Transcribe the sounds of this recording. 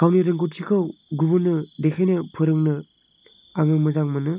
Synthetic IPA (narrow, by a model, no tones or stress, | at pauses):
kʰawniɾɯŋɡut̚tʰikʰɯwɡubɯnɯdekʰajnɯpʰɯɾɯŋnɯ | aŋɯmɯzaŋmɯnɯ